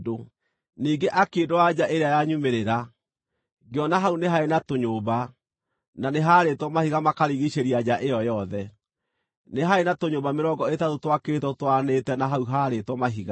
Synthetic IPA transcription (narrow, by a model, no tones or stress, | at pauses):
do | niːɡeʔakedowad͡ʑaʔeɾeajaɲumeɾeɾa | ɡeɔnaɦauneɦaenatoɲoːba | naneɦaːɾetwɔmahiɣamakaɾiɣiɕeɾiad͡ʑaʔejɔjɔðɛ | neɦaenatoɲobameɾɔŋɡɔetatotwakeetɔtwanetɛnaɦauɦaːɾetwɔmaɦiɣa